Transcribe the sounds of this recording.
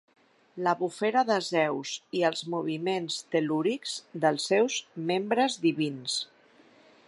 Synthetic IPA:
ləβufeɾəðəzɛwziəlˠzmuβ̞imenst̪əluɾikz̥d̪əlˠsːɛwzmembɾəzðiβins

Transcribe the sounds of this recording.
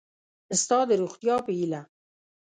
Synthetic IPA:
ɪst̪ɑːd̪eɾuxt̪ijɑːpiila

